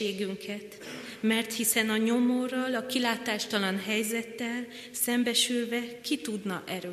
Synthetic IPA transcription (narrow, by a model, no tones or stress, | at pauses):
eːɡyŋkʰɛt̪ | mɛrt̪hisɛnɒɲo̞mo̞rɒlɒkilaːt̪aːʃt̪ɒlɒnɦɛjzɛt̪ːɛl | sɛmbɛʃylvɛkit̪ud̪nɒʔɛɾøː